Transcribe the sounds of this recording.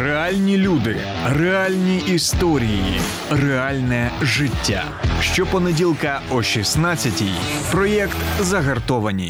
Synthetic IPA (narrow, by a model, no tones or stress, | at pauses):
realʲnʲilʲud̪ɪ | rɛalʲnʲiːst̪ɔɾʲijḭ | rɛalʲnɛʒɪtʲːa̰ | ʃt͡ʃɔpɔnedʲilˠkɐɔʃʲisnat͡sʲːɐtʲḭj | pɾɔjɛkt̪zɐɦɐrt̪ɔʋɐnʲḭ